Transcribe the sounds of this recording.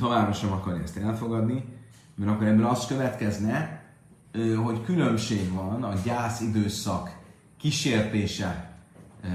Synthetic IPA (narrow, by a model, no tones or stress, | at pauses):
t̪o̞vaːbroʃɛmɒkɒrjɛst̪ɛlfo̞ɡɒd̪ni | mɛɾɒkːoɾɛbːølɒst̪køvɛt̪kɛznɛ | ɦo̞ckylø̞mʃeːɡvɒnɒɟaːsid̪øːsɒkː | iʃeːrt̪eːʃɛ